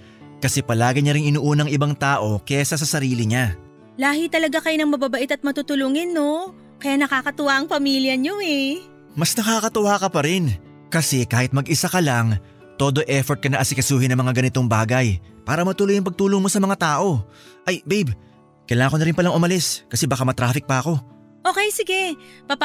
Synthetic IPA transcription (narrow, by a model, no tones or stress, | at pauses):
kɐsɛpɐlaːɡɪɲɐɾɪŋɪnuʔuːnɐŋɪbaŋt̪aːʔo̞kɛːsɐs̬ɐsɐɾiːlɪɲa | laːɦɪt̪ɐlɐɡakɐjnɐŋmɐbabɐʔɪt̪ɐt̪̚mɐt̪ut̪ʊluŋɪnːo | kɐjaːnɐkaːkɐt̪ʊwaʔɐŋpɐmiːljɐɲoɛ | mɐsnɐkaːkɐt̪ʊwaːkɐpɐɾɛn | kɐsɛkaːhɪt̪̚mɐɡʔɪsakɐlaŋ | t̪o̞ːd̪o̞ʔɛfoɹt̪̚kɐnɐʔɐsɪkɐsuːhɪnɐmɐŋaɡɐnɪt̪o̞ŋbaːɡɐjpaːɾɐmɐt̪ʊlojɐŋpɐɡ̚t̪uːloŋmo̞sɐmɐŋat̪aːʔo̞ | ʔɐjbejb | kɐjlaːŋɐŋko̞nɐɾɪnpɐlaŋʊmɐlɪskɐsɛbakamɐt̪ɾaːfɪk̚pɐʔɐko̞ | ʔo̞ːkɛjsɪɡɛpɐp